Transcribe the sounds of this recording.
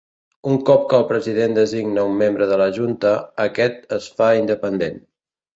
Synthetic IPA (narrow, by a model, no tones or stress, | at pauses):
uŋkɔp̚kəlˠpɾəziðend̪əziɡnəumːembɾəðələʒunt̪əəkɛt̪əsfaind̪əpənd̪en